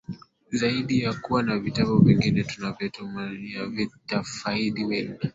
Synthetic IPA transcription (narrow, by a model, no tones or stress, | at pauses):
zaiɗijakuwanavitaɓɔvɛŋɡinɛtunavɛtɔmaijavitafaiɗiwɛni